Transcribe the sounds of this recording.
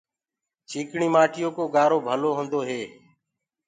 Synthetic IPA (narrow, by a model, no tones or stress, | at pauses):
t͡ʃʰiːkɳiːmaːʈʰɪjoːkoːɡaːɾoːbʱəloːɦõːnd̪oːɦeː